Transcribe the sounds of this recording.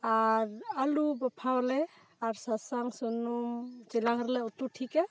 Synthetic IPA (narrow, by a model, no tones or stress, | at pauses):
aɾalubapʰawlɛ | aɾsasaŋsɔnumt͡ʃilaɡəɾlɛut̪uʈʰikɛ